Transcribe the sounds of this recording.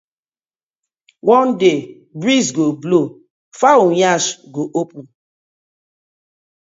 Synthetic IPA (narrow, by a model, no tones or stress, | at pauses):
wɔ̃nde | bɹisɡoblo | faujaʃɡoʔopũn